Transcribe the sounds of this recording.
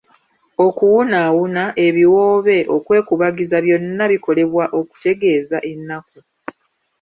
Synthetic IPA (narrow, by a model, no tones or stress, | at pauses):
o̞kuwunawunaʔe̞βiwo̞ːβe̞ʔo̞kwe̞ːkuβaɡizaβjo̞nːaβiko̞le̞βwaʔo̞ku̥te̞ɡe̞ːzaʔe̞nːaku